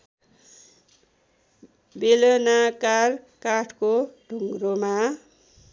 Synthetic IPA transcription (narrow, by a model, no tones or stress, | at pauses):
belʌnakar | kaʈʰkoɖʱuŋɡɾoma